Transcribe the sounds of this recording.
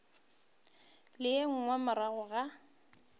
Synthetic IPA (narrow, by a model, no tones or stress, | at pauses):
lɪeŋ̩ŋwamaɾaɣʊɣa